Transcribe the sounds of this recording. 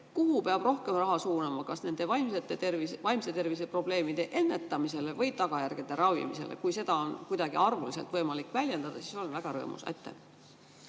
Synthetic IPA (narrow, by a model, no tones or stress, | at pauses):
kuɦupeɑb̥ro̞hke̞mrɑɦɑsuːnɑmɑkɑsne̞nd̪̥e̞vɑjmset̪ːˑet̪ervisvɑjmset̪e̞rvis̬e̞pro̞b̥le̞ːmid̪̥e̞ʔe̞nːe̞t̪ˑːɑmise̞le̞vɤjt̪ɑɡ̥ɑjærɡ̥ed̪̥e̞ɾɑwvḭmise̞̰lʔḛkujse̞d̪̥ɑo̞nkujd̪ɑɡ̥iɑrvulise̞lt̪vɤjmɑlikːˑvælʲje̞nd̪̥ɑd̪̥ɑsi̥so̞nvæɡ̥ɑɾɤ̰ːmṵsḛt̪ːḛ